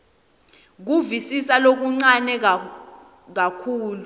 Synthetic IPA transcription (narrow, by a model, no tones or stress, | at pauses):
k̬uvisisalok̬uŋ͡ǀanɛ | k̬akʰuːlu